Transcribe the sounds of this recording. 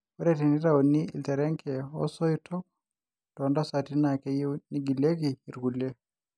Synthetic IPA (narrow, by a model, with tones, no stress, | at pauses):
wɔ˦ɾɛti˨ndi˦ɾaɔni˦ḭ˨ltɛ˨ɾɛ˦ŋkɛ˨ɔ̰˦sɔ˦itʰɔ˦k | tɔnda˦sati˦nakɛ˦ji˦ni˦ɡi˨le˦kiː˨ɾɡulɛ˦